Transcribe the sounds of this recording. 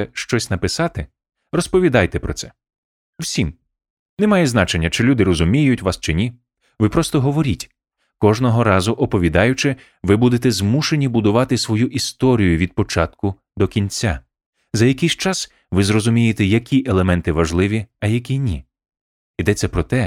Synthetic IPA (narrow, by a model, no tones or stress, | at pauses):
ɛʃt͡ʃɔsʲnɐpɪsɑt̪ɪ | rɔspɔʋʲid̪ɑjt̪ɛpɾɔt̪sɛ | w̥sʲim | nɛmɑjɛznɑt͡ʃe̞nʲːɐt͡ʃɪlʲud̪ɪrɔzʊmʲijʊtʲʋɑst͡ʃɪnʲi | ʋɪpɾɔst̪ɔɦɔʋɔɾʲitʲ | kɔʒnɔɦɔɾɑzʊʔɔpɔʋʲid̪ɑjʊt͡ʃɪ | ʋɪbud̪et̪ɛzmuʃenʲibʊd̪ʊʋɑt̪ɪsʋɔjuʔist̪ɔɾʲijʊʋʲid̪̚pɔt͡ʃɑt̪kʊ | d̪ɔkʲinʲt͡sʲːa | zɐjɐkɪjʃt͡ʃɑs | ʋɪzrɔzʊmʲijet̪ɛjɐkʲiʔelˠemɛnt̪ɪʋɐʒlˠɪʋʲiɐjɐk̬ʲinʲi | id̪ɛt͡s̪ʲːɛpɾɔt̪ɛ